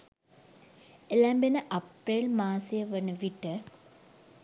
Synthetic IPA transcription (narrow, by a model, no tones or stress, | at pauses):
elæmbenəʔɐpɾelmaːsjəʋənəʋiʈə